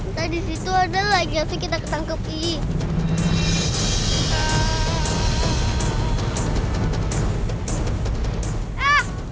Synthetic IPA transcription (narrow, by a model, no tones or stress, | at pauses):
t̪adisit̪uadalaɡiasikit̪akət̪aŋkəp̚i | a | ah